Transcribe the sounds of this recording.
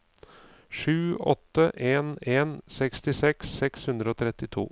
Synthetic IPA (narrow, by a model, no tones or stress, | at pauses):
ʂʉːɔ̰t̪ːəʔeːneːnsɛkst̪ɪsɛksɛkshʉnd̪ɾəoːt̪ʰɾɛt̪ːɪt̪ʰṵː